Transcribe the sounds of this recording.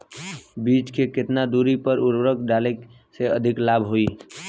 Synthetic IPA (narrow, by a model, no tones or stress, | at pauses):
bit͡ʃkekɪt̪nad̪uɾipəɾʊɾbɾəkɖalek | seəd̪ʱiklabʱɦoi